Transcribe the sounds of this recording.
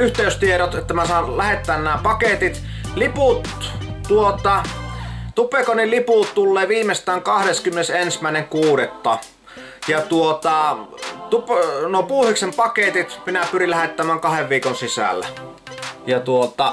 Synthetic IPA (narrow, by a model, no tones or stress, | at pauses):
yht̪eˑyst̪ieɾot̪et̪ːæmimæsɑˑlæhet̪ːˑæːnnæːpɑket̪it̪ | liput̪ | tːuot̪ɑ | t̪upekonilliputt̪ulːeːʋiːmest̪ˑæːŋkɑhɾeskymːenesensmæˑeneŋkuːɾet̪ːɑ | jɑt̪uot̪ɑt̪upnoˑpuːhiksempɑket̪it̪minæpyrillæhet̪ːæmæːŋkɑheʋʋiːkonsisæ̰lːæ̰ | jɑt̪uot̪ɑ